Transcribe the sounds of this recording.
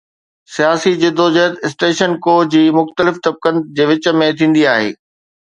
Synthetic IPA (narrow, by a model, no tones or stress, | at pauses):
sijaːsid͡ʑɪd̪ʱoːd͡ʑɐɦət̪ɪsʈeːʃənkoːd͡ʑiːmʊxt̪əlɪft̪ɐb̚kənɪ̆d͡ʑeːʋɪt͡ɕə̆mẽt̪ʰĩːn̆d̪iaːɦḛː